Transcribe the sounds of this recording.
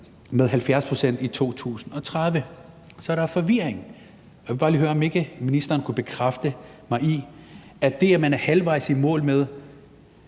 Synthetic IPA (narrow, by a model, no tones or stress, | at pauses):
meðˠɦælfjæɐspʰʁo̝sen̰d̥it͡sʰo̝̰ːt͡sʰṵːsn̩ɒ̽t͡sʰʁað̞ˠʋə | sɒ̽æɾ̥ɑ̈fɒ̽ʋiɐeŋ | jʋbɑ̈ːliːøːɐɒ̽me̝ɡ̥əminisd̥ɐːnkʰub̥e̝kʰʁafd̥əmɑ̈ɪiæd̥e̝æmænæɐhælʋɑ̈ɪ̰simɔ̰̽ːlmeð̞ˠ